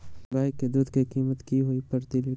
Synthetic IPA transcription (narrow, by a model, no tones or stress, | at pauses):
ɡaːɪkːed̪uːd̪kikiːmət̪kiɦoipɐɾt̪ili